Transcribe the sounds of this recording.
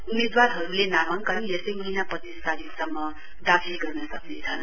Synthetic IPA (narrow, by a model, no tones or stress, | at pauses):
umed̪waɾɦʌɾulenamaŋkʌjesʌjmʌɦinaprʌt̪iskaɾisʌmːʌ | d̪akʰilɡʌrnʌsʌknet͡sʰʌn